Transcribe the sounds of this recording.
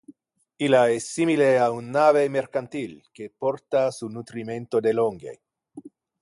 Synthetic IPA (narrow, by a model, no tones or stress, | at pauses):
ilaesːimileaunːaβemeɾkant̪ilkepoɾt̪asunut̪ɾimẽnt̪od̪eloŋɡḛ